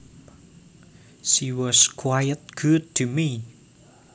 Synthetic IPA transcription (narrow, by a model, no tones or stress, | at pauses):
ʃiwɔskʰwajət̚ɡ̥ud̚tʰumi